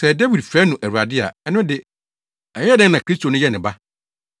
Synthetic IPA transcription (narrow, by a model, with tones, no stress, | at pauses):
sɛ˨dɛ˦wi˨dfɛː˦nʊ̃˨ʔæ˨u˨ɾa˨dɪ˦a̰˨ɛ˦nʊ̃˦dɪ˨ | ɛ˨˦ɛ˦dɛ̃˦nã˨kʰɾi˦stʰo˨nʊ̃˦jɛ˦nɪ̃˨ba˦